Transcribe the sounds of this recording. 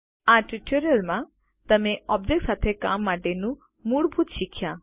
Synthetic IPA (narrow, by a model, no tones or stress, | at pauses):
aʈɾiʈoɾiəlmã | t̪əmeɔbd͡ʒek̚ʈsat̪ʰeka̰mːaʈenu | muɽbʱut̪ʃikʰːja